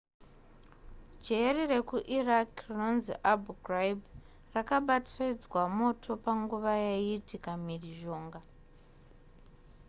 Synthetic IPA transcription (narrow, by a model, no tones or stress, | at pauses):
d͡ʒerire̞kuʔirakrino̞nzḭʔabuɡrajb | rakaɓatrid͡zwamo̞tʰo̞paŋɡuʋajeitikamiriʒo̞ːŋɡa